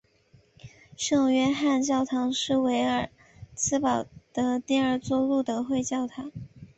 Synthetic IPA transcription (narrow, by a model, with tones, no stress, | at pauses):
ʂɤ˥˩ŋɥɛ˥nxa˥˧nt͡ɕjɑ˥˩ʊt̪ʰɑ˧˥ŋʂɻ̩˥˩we˧˥ɪə˞˨˩ | t͡sʰɹ̩˥pɑ˨˩ʊd̪̥ə˧˦t̪jɛ˥˧nə˞˥˧t͡swɔ˥˧lu˥˩d̪ə˩xwe˥˧ɪt͡ɕjɑ˥˩ʊt̪ʰɑ˧˥˦ŋ